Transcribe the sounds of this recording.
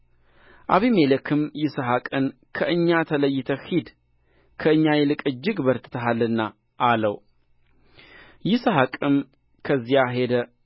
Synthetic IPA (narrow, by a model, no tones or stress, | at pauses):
ʔaβimeləkʰɨmjɪsəɦakʼɨn | kʰəʔɨɲːat̪ʰələjːɪt̪ʰəhid̪ | kʰəɨɲːajɛlɨkʼɨd͡ʒːɪɡbəɾt̪ʰɨ̥t̪ʰəɦalːɨnːa | ʔaləw | jɪsəɦakʼɨm | kʰəzːijaɦe̞d̪ə